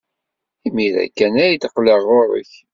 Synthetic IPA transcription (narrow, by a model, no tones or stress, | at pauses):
imiðæ̰kːænæjt̪əqːləʁoɾˤə̰ç